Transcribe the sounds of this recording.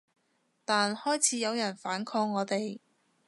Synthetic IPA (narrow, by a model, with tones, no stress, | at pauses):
t̪aː˨nhɔː˥jt͡sʰiː˨˥jɐ˨˧wjɐ˨˩nfaː˨˥nkʰɔː˧ŋːɔː˨˧t̪e˨j